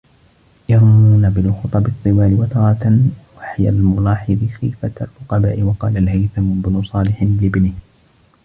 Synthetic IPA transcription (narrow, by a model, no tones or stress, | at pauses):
jɑɾˤmuːnabɪlxʊt̪ˤɑbɨt̪ˤːɨwaːlɪwat̪ɑɾˤɑt̪awaħja̰lmʊlɑːħɑðˤɨxḭfat̪alfʊqɑbaːʔɪwɑqɑ̰ːlalhajθanʊbnʊsˤɑːlɪħɪlɪbnɪh